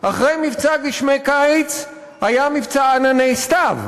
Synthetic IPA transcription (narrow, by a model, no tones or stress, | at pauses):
ʔaχʁejmivt͡saɡiʃmejkat͡s | hajamivt͡saːnanejst̪av